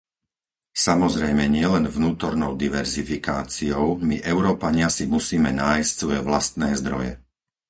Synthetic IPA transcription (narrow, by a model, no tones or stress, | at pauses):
samɔzɾɛjmɛɲɪɛlɛnvnuːt̪ɔɾnɔʊd̪iʋɛɾzifikaːt͡siɔʊmiʔɛʊɾɔːpaɲɪasimusiːmɛnaːjscsʋɔjɛʋlast̪nɛːzd̪ɾɔ̰jɛ̰